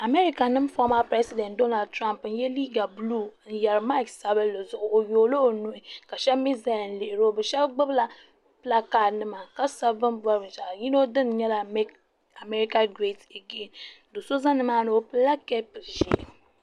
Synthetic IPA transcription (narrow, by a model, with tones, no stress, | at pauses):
a˨mɛ˦ɾi˦ka˨nɨ˦m˦fɔ˦ma˦pɾɛ˦si˨dɛ˨ntdo˦na˨d̚tɾa˦mpn̩˦jɛ˦liː˦ɡa˨blu˦˨n̩˦jɛ˨ɾma˦ɪ˨ksa˦bɨ˦lo˨zʊ˨ʔʊ˨o˨joː˨lo˦˨nʊ˦ʔɪ˨ka˨ʃɛ˦bmi˦za˦˨n˨lɪ˨ʔɪ˨ɾo˦bɨ˨ʃɛ˦bɡ͡bɨ˦bla˨ | pɨ˦la˦kaː˦˨nɨ˦ma˨ka˦sa˦vɨ˦nbʷa˦ɾɨ˨ʃa˨ji˦no˦dɨ˦nɲɛ˦la˨me˦k | a˨me˦ɾi˦ka˦ɡɾe˦˨te˨ɡe˦˨n˨ | do˨so˦za˦nɨ˦maː˦nɨ˨o˦pɨ˦la˦kɛ˦pɨ˨lʒḭ˨